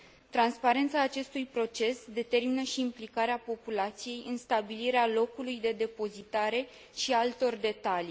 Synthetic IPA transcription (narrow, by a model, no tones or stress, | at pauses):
t̪ɾanspaɾe̞nt̪saːt͡ʃe̞st̪ujpɾo̞t͡ʃe̞sd̪e̞t̪e̞rminəʃiːmplikaɾeapo̞pulat̪sije̞jɨnst̪abiliɾealo̞kulujd̪e̞d̪e̞po̞zit̪aɾe̞ | ʃialt̪o̞rd̪e̞t̪ali